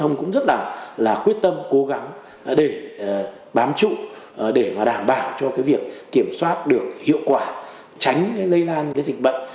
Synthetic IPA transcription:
ə˧wŋ͡mkʊ̰˧˥ŋ͡mzə˦˥t̚laː˨˩laː˨˩kwi˦˥ət̚t̪ə˧mko˨˦ɣa˨˦ŋ | ɗe˧˩˨ | ɓaː˨˦mt͡ɕṵ˧˨˩ɗe˧˩maː˨˩ɗaː˧˩mɓaː˧˩wt͡ɕɔ˧kaː˨˦jvi˨˩ək̚ːi˧˩əmswaː˦˥t̚ɗɨ˨˩ək̚hḭ˧˨əwkwaː˧˩ | t͡ɕa˨˦jŋ̟kaː˨˦jlə˧jlaː˧nkaː˨˦zï˨˩k̟̚ɓə̰˧˨ŋ̟

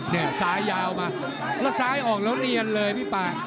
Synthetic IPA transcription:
ni˥˩ɐsaː˦˥jːaː˧wmaː˧ | lɛː˦˥wsaː˦˥jʔɔː˨˩k̚lɛː˦˥li˧ənlɤː˧jmiː˦˥˩paː˧˩ŋ

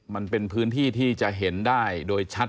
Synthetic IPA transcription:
ma˧npe˧npʰɯː˦˥nt̪ʰiː˥˩t̪ʰiː˥˩t͡ɕa˨˩ʔɦe˩˦ndaː˥˩jdoː˧jt͡ɕʰa˦˥t̪

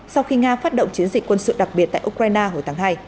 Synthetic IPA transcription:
sa˧wxi˧ŋaː˧faː˦˥t̚ɗo̰˧˨ŋ͡mt͡ɕi˨˦ənzï˧˩k̟kwə˧nsɨ̰˧˨ɗa˨˩k̚ɓi˨˩ət̚t̪a̰ː˧˨ʔu˧kwaː˧jnaː˧ɦo˨˩jt̪ʰːŋɦaː˧j

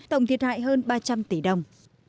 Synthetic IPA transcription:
t̪ə̰˧˨wŋ͡mt̪ʰi˨˩ət̚ha̰ː˧˨jɦəː˧nɓaː˧t͡ɕa˧mt̪i˧˩˦ɗə˧˩wŋ͡m

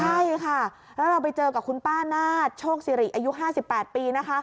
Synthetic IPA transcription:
t͡ɕʰa˥˩jkʰa˥˩ | lɛ˦˥wɾa˧wp̬a˧jt͡ɕɤː˧ka˨˩p̚kʰu˧npaː˥˩naː˥˩t̪̚t͡ɕʰoː˥˩k̚siː˧˦ɾi˨˩t̪̚ʔa˧ju˦˥ʔɦaː˥˩si˨˩pːɛː˨˩t̪̚piː˧na˦˥kʰa˦˥

